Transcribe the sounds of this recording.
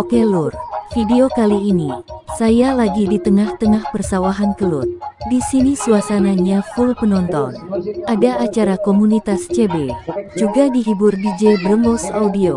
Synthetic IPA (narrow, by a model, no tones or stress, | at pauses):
okelurfideokaliːnisajalaɡidit̪əŋaht̪əŋahpərsawaɦankəlʊ̰t̪̚disinisuasanaɲafulpənɔnt̪ɔ̰nʔadaʔat͡ʃaɾakomunit̪ast͡ʃebed͡ʒuɡadiɦibʊrdid͡ʒebləmbɔsaudio